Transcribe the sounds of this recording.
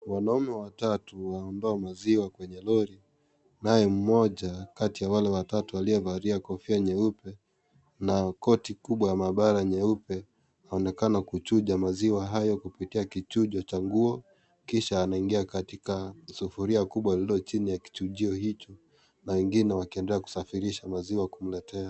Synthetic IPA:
wanaumɛwatatuwaɔndɔamaziwakwɛɲɛlɔɾi | najɛm̩mɔʄakatijawalɛwatatuwaliɔvaɾiakɔfiaɲɛupɛ | nakɔtikuɓwajamaɓaɾaɲɛupɛ | aɔnɛkanakut͡ʃuʄamaziwaɦajɔkupitiakit͡ʃuʄɔt͡ʃaŋɡuɔ | kiʃaːnaiŋɡiakatikasufuɾiakuɓwalilɔt͡ʃinijaki̥t͡ʃuʄiɔhit͡ʃɔ | nawɛŋɡinɛwakiɛndɛlɛaku̥safiɾiʃamaziwakum̩lɛtɛa

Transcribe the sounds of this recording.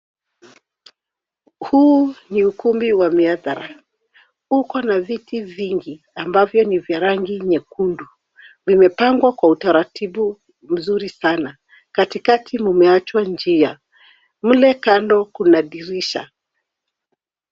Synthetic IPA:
huːniukumbiwamiaðaɾa̰ | ukɔnavitiviŋɡi | ambavjɔnivjaɾaŋɡiɲɛkundu | vimɛpaŋɡwakwautaɾatʰiɓu | m̩zuɾisana | katikatʰimumɛat͡ʃwand͡ʒia | m̩lɛkandɔkunaɗiɾiʃa̰

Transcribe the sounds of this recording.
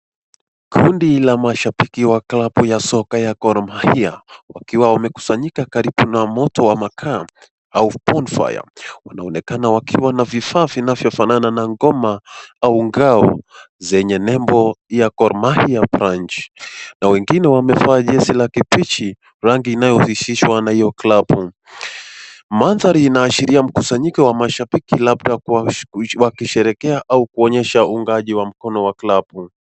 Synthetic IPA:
kʰundilamaʃapikiwaklapujasɔkajakɔɾmahiawakiwawamɛku̥saɲikakaɾiɓunamɔtɔwamakʰa | aupɔnfa̰ja̰wanaɔnɛkanawakiwanavifaːvinavjɔfanananaŋɡɔmaauŋɡaɔ̰ | zɛɲɛnɛmbɔjakɔɾmahijapɾant͡ʃnawɛŋɡinɛwamɛfaːʄɛsilakipit͡ʃi | ɾaŋɡiːnajɔhiʃiʃwanahijɔklabu | manðaɾiːnaːʃiɾiam̩kusaɲikɛwamaʃaɓikilaɓɗa | wakiʃɛɾɛkɛaʔaukuɔɲɛʃauŋɡaʄiwam̩kɔnɔwaklabu

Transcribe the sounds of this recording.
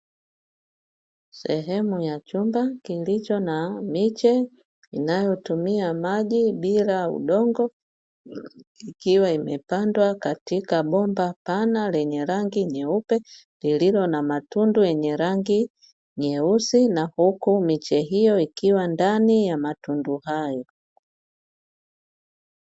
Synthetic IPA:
sɛɦɛmujat͡ʃumbakilit͡ʃɔnamit͡ʃɛ | inajɔtumiamaʄiɓilaṵɗɔŋɡɔ | ikiwaimɛpandwakatikaɓɔmbapanalɛɲɛɾaŋɡiɲɛupɛ | lililɔnamatundujɛɲɛɾaŋɡi | ɲɛusinahukumit͡ʃɛɦijɔikiwandanijamatunduhajɔ

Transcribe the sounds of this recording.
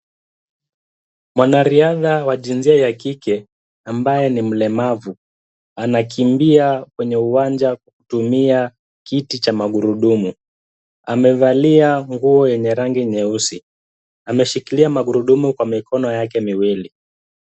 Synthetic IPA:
mwanaɾiaðawaʄinziajakikɛ | ambajɛnim̩lɛmavu | anakʰimbiakwɛɲɛuwand͡ʒakwaku̥tumia | kitit͡ʃamaɠuɾuɗumu | amɛvaliaŋɡuɔjɛɲɛɾaŋɡiɲɛusi | amɛʃikiliamaɠuɾuɗumukwamikɔnɔjakɛmiwili

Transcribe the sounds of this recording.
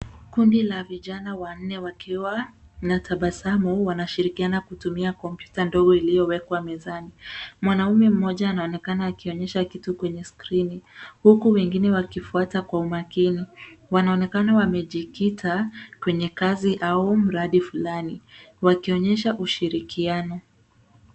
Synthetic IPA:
kundilaviʄanawan̩ːɛwakiwanatʰaɓasamɔwanaʃiɾikianakutumiakɔmpjutandɔɡɔilijɔwɛkwamɛzanimwanaumɛm̩mɔʄaːnaɔnɛkanaːkiɔɲɛʃakitukwɛɲɛskɾinihukuwɛŋɡinɛwakifuatakwaumakiniwanaɔnɛkanawamɛʄikitʰakwɛɲɛkaziʔaum̩ɾaɗifulaniwakiɔɲɛʃaʔuʃiɾikianɔ

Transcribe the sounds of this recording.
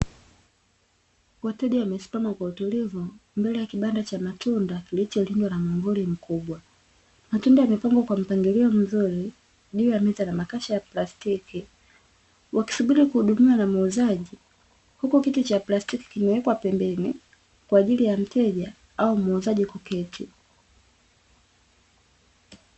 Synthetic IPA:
watɛɗiwamɛsi̥pamakwautulivumbɛlɛjakiɓandat͡ʃamatundakilit͡ʃɔlindwanamaɱvulim̩kuɓwa | matundajamipaŋɡɔkwam̩paŋɡiliɔm̩zuɾi | ɗijamɛzanamakaʃajaplastiki | wʔaki̥suɓiɾikuhuɗumiwanamauzaʄi | hukukitut͡ʃaplastiki̥kimɛwɛkwapɛmbɛni | kwaːʄilijam̩tʰɛʄa | aumauzaʄikukɛtʰi

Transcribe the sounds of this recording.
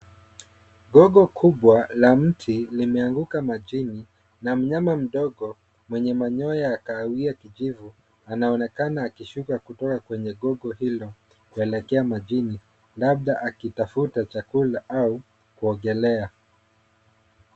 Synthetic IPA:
ɠɔɠɔkʰuɓwalam̩tʰilimɛaŋɡukamaʄini | nam̩ɲamam̩ɗɔɠɔ | mwɛɲɛmaɲɔjaːkaːwiakiʄivu | anaɔnɛkanaːkiʃukakutɔkakwɛɲɛɠɔɠɔhilɔ | kuɛlɛkɛamaʄini | laɓ̚ɗaʔakitafutat͡ʃakulaʔau | kuɔɡɛlɛa

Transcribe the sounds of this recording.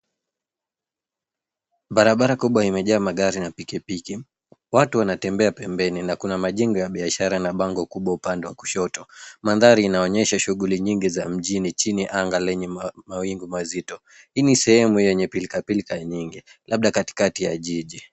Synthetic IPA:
ɓaɾaɓaɾakuɓwaimɛʄaːmaɠaɾinapikipiki | watuwanatɛmbɛapɛmbɛninakunamaʄɛŋɡɔjaɓiaʃaɾanaɓaŋɡɔkuɓwaupandɛwaku̥ʃɔtɔmanðaɾiːnaɔɲɛʃaʃuɠuliɲiŋɡizam̩ʄinit͡ʃiniʔaŋɡalɛɲɛmawiŋɡumazitɔ | hiːnisɛhɛmujjɛɲɛpilikapilikaɲiŋɡilʔaɓ̚ɗakati̥katijaʄiʄi

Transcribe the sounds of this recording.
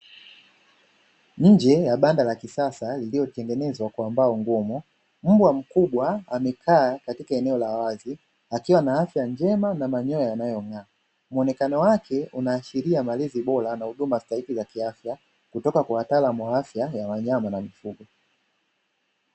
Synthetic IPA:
ɲ̩d͡ʒɛjaɓandalakisasalilijɔtɛŋɡɛnɛzwakwambaɔŋɡɔmu | m̩bwam̩kuɓwaamɛkʰaːkatikaɛnɛɔlaːwazi | akiwanaafjaɲd͡ʒɛmanamaɲɔjajanajɔŋaː | muɔnɛkanɔwakʰɛunaːʃiɾiamaliziɓɔlanahuɗumastahikizakiafja | kutɔkakuwatalamwaafjajawaɲamanamifuɡɔ

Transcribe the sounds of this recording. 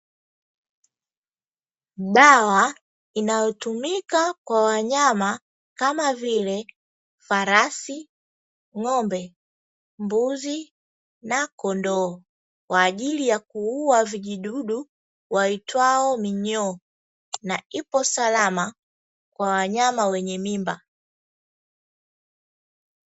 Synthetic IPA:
ɗawa | inajɔtumikakwawaɲama | kamavilɛ | faɾasi | ŋɔmbɛ | mbuzi | nakɔndɔ | kwaːʄilijakuuwaviʄiɗuɗu | waitwaɔmiɲɔ | naipɔsalama | kwawaɲamawɛɲɛmimba

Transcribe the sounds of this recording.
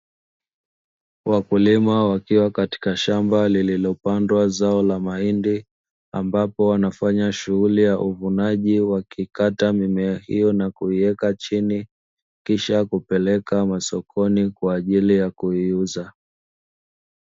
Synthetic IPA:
wʔakulimawakiwakati̥kaʃambalililɔpandwazaɔlamaindi | a̰mbapɔwanafaɲaʃuɣulijaʔuvunaʄiwakikatamimɛahḭjɔnakuiɛkat͡ʃini | kiʃakupɛlɛkamasɔkʰɔnikwaːʄilijakuiuza

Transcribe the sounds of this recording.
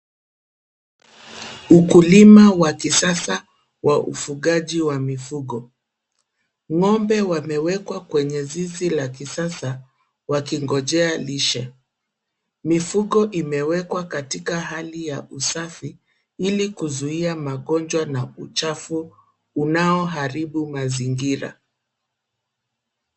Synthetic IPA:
ukulimawakisasa | wʔaʔṵfuɠaʄiwamifuɠɔ | ŋɔmbɛwamɛwɛkwakwɛɲɛzizilakisasa | wakiŋɡɔʄɛaliʃɛ | mifuɠɔʔimɛwɛkwakatikaɦalijaʔusafi | ilikuzuiamaɠɔnd͡ʒwanaut͡ʃafuː | naɔɦaɾiɓumaziŋɡiɾa̰

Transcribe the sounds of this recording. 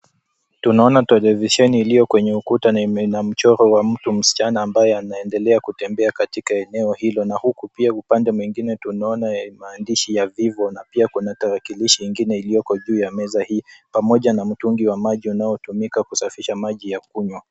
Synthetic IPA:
tunaɔnatɛlɛviʃɛniːlijɔkwɛɲɛukutanam̩t͡ʃɔɾɔwam̩tum̩si̥t͡ʃanaːmbajɛanaɛndɛlɛakutɛmbɛakatikaɛnɛɔhilɔnahukupiaupandɛmwiŋɡinɛtunaɔnamaːndiʃijavivɔnapiakunataɾakiliʃiiŋɡinɛilijɔkɔʄuːjamɛzahiːpamɔʄanam̩tuŋɡiwamaʄiunaɔtumikakusafiʃamaʄijakuɲwa

